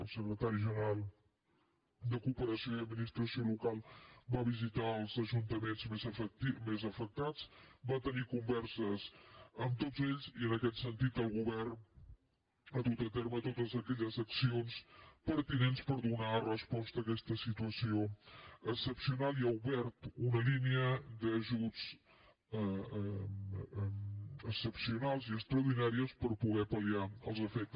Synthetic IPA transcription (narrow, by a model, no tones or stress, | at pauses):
əlˠsəkɾət̪aɾiʒəɾəɾalˠ | d̪əkuːpəɾəsiojiəd̪̚minist̪ɾəsiolukalˠbaβizit̪aəlˠzəʒunt̪əmenzmezəfət̪imezəfək̚t̪att͡sbat̪ənikumbɛɾsəsəmt̪ozɛʎziənəkɛt̪sənt̪it̪əlˠɣuβɛrn | ət̪ut̪ət̪ermət̪ot̪əzəkɛʎəzəksionspəɾt̪inenspəɾðunaərəspɔst̪əːkɛst̪əsit̪uəsioəsəpsiunalˠiauβɛɾt̪unəliniəd̪əʒut͡s | məksəpsiunalˠziəst̪ɾəwðinaɾiəspəɾpuɣɛpəliaəlˠzəfɛk̚t̪